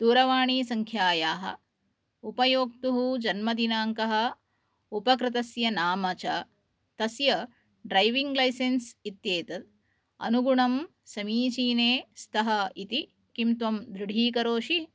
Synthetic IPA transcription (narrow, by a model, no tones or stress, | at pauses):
d̪̥uːɾɐʋaːɳiːsɐŋkʰjaːjaːɦɐ̰̆ | upɐjoːk̚t̪uɦud͡ʒɐnmɐd̪inaːŋkɐɦɐ̆ | upɐkɾɪt̪̬ɐsjɐnaːmɐt͡ʃɐ | t̪ɐsjɐ | ɖɾɐjʋiŋɡlɐjsensit̪jeːt̪ɐt̪̚ | ɐ̰nuɡuɳɐm | sɐmiːt͡ʃiːneːst̪ʰɐɦɐit̪i | kimt̪ʋɐmd̪ɾɪɽʱiːkɐɾoːʃi